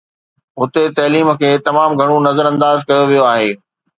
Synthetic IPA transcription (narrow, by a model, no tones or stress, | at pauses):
ɦʊt̪et̪ɐɦliːmə̆kʰeːt̪ɐmaːmɡʱɐɽ̃onɐzəɾɐ̃nd̪aːzkɐjoʋijoaːɦeː